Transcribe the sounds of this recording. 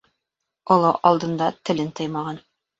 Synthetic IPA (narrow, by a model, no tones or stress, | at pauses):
ŏlˠɤʔɑlˠd̪ɤ̆nd̪ɑt̪ɘ̆lɘnt̪ɤjmɑʁɑn